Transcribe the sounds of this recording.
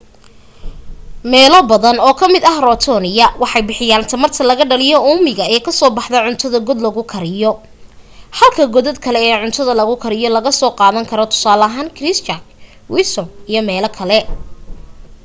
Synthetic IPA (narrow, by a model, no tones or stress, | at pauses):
mɛːlɔbɐðɐnɔːkʰɐmɪd̪ɐhrɔt̪ʰɔnɪjɐwɑħɑjbɪħɪjaːnt̪ʰɐmɐrt̪ʰɐlɐɣɐɖɐlɪjɔʊmɪɣɐɛːkʰɐsɔːbɑħd̪ɐʕʊnt̪ʰɐðɐɡɔd̪lɐɣʊkʰɐɾɪjɔ | hɐlkʰɐɡɔðɔd̪kʰɐlɛːʕʊnt̪ʰɐðɐlɐɣʊkʰɐɾɪjɔlɐɣɐsɔːqɑːðɐŋkʰɐɾɔt̪ʰʊ̥saːlɐɦaːnkʰrɪst͡ʃɐk | wɪlsɔnijɔmɛːlɐkʰɐlɛ